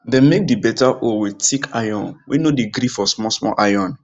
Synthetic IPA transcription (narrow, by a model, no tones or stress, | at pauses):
dɛ̃nmek̚dibɛtaʔowitikʰajɔ̃nwinodiɡɾifɔsmɔsmɔ̰ʔajɔ̃n